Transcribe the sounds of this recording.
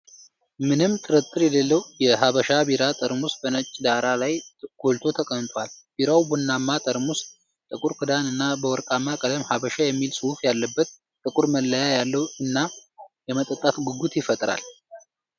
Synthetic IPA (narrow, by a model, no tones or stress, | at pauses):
mɨnɨmt̪ʼɨɾɨt̪ʼːɨɾjɛləlːəwjɛɦaβəʃabiɾat̪ʼəɾmusbənət͡ʃʼːd̪aɾalajɡ̥olt̪ʰo̞t̪ʰəkʼəmt̪ʼwalb̥iɾawbunːamːat̪ʼəɾmust̪ʼ | t̪ʼɨkʼuɾkʰɨd̪anɨnːabəwɔɾkʼamːakʼələmhaβəʃajɛmːilsʼɨhufjalːəbːət̪ | t̪ʼːɨkʼuɾməlːəjajalːəwɨnːajɛmət̪ʼət̪ʼːat̪ɡɨɡut̪jɪfət̪ʼɾa̰l